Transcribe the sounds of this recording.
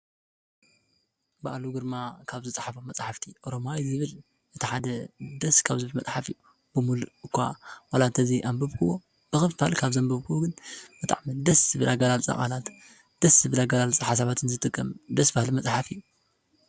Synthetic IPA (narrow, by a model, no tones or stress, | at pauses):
ba̰ʔluɡɨɾmakʰaβzɨt͡sʼħafomɐt͡sʼħaft̪ʰiʔo̞ɾomajzɨβɨl | ʔɨt̪ʰiħad̪ɐd̪ɐskʰaβzɨβɨlmɐt͡sʼħafḭju | bɨmuluɨkʰʷːa̰walat̪ʰɐziʔambɐβkʰɨβo | b̥ɨxɨffalkʰaβzɐmbɐβkʰɨwoɡɨnb̥ɨt̪ʼa̰ʕmid̪ɐsɨbɨlaɡalalt͡sʼa̰χʼa̰lat̪ | d̪̥ɐsɨbɨlaɡalalt͡sʼaħasaβat̪ʰɨnzɨt̪ʼɨkʼːɐmd̪ɐsbahlimɐt͡sʼħafɨjːu